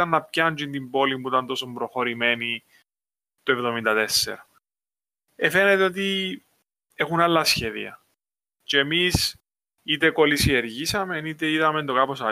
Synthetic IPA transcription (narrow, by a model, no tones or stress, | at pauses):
ɐnːɐp̚çɐnt͡ʃint̪imbo̞liuit̪ɐnt̪o̞sombɾoxo̞ɾime̞ni | t̪oevðo̞mind̪ɐt̪e̞sːḛɾɐ | efenet̪eot̪i | exunɐlːɐsçe̞ðḭɐ̰ | t͡ʃeːmis | it̪eko̞lisieɾʝisɐmenit̪e̞iðɐme̞nd̪okɐposɐ